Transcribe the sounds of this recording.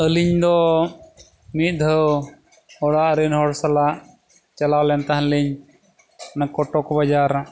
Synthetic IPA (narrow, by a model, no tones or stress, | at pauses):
əliɲd̪ɔ | mit̪̚ˀd̪ʱəw | ɔɽaʔɾinɦɔɽsalaʔ | t͡ʃalawlɛnt̪aɦanliɲ | nakɔʈɔkɔbad͡ʒaɾ